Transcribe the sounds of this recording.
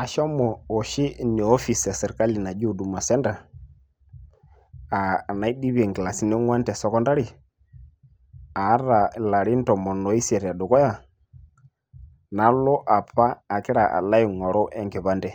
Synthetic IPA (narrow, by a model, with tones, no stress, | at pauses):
a˨ʃɔ˦mɔ˨ɔ˨ʃɪ˦ni˨ɔ˦fi˨sa˨sɛ˨ɾka˦li˨na˨d͡ʒi˦u˨du˨ma˨sɛ˦nda˨ | a˨na˨˦i˦di˦βɛ˨ŋkɪ˨la˨si˦ni˦ŋwa˦ndɛ˨sɔ˦kɔ˦nda˦ɾi˨ | a˨˦ɾa˨la˨ɾi˦n˦tɔ˨mɔ˨nɔ˨˦i˦sɛ˨ɾa˨ɗʊ˨kɔ˦ja˨ | na˨˦lɔ˦ʔa˨paː˦˨kɪ˦ɾa˨ʔa̰˨la˦i˨ŋɔ˨ɾɔ˦ʔɛ˨ŋkɛ˨βa˦ndɛ˦˨